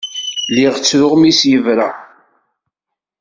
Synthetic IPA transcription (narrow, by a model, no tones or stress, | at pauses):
lɪʁt͡sːɾʊʁmisjəvɾa